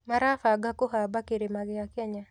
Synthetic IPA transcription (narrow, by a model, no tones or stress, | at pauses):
maɾafaɡakoɦabakeɾemaɡjakɛɲa